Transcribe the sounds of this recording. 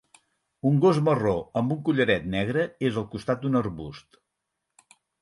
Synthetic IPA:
uŋɡozməroəmbuŋkuʎəɾɛt̪nɛɣ̞ɾəezəlˠkust̪at̪̚d̪unərβust̪

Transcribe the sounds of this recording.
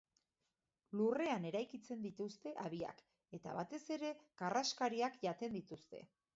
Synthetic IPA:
lure̞ane̞ɾajkit͡se̞nd̪it̪ust̪e̞ʔaβia̰k | e̞t̪a̰βat̪e̞se̞ɾe̞karaskaɾiakʝat̪e̞nd̪it̪ust̪e̞̰

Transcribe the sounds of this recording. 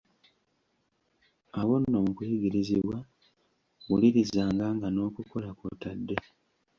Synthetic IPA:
awonːo̞mukuiɡiɾiziβwa | ɣuliɾizaːŋɡaːŋɡano̞ːkuko̞lako̰tadːe̞

